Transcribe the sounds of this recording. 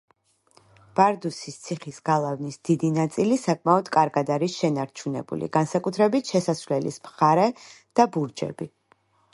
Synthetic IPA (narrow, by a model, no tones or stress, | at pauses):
b̥aɾd̪usist̪sʰiχisɡ̥alˠavnisd̪̥id̪inat̪sʼilisakʼmaɔd̪kʼaɾɡad̪aɾisʃɛnaɾt͡ʃʰunɛbṵlḭɡ̥ansakʼut̪ʰɾɛbit̪ʰʃɛsasvlɛlḭsmχaɾɛ | d̪̥abuɾd͡ʒɛ̰bi